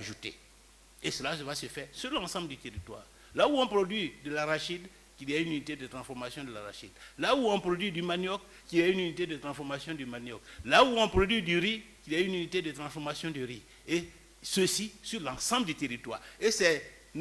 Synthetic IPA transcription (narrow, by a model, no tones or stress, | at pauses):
aʒut̪ḛ | esəlasəvasəfɛʁsyʁlãsɑ̃bld̪yt̪eʁit̪wa̰ːʁ | lauɔ̃pɾod̪ɥid̪əlaʁaʃid̪ | kiljaynynit̪ed̪ət̪ɾɑ̃sfɔʁmasjɔ̃d̪əlaʁa̰ʃid̪lauɔ̃pɾod̪ɥid̪ymanjɔk | kːiljaynynit̪ed̪ət̪ɾɑ̃sfɔmasjɔ̃d̪ymanjɔklauɔ̃pɾod̪ɥid̪yɾikiljaynynit̪ed̪ət̪ɾɑ̃sfɔʁmasjɔ̃d̪əɾi | e | səsisyʁlãɑ̃sɑ̃bld̪yt̪eʁit̪waːʁesɛ | n